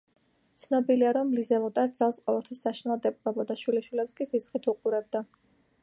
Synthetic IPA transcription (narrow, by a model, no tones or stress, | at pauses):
t̪sʰnɔbiliaɾɔmlizɛlˠɔt̪ʼaɾtd̪d̪zalˠsqʼɔvɛlˠt̪ʰwisːaʃnɛlˠɔd̪ɛpʼɾɔbɔd̪aʃwiliʃwilɛpskʼizisχit̪ʰuqʼuɾɛb̚d̪a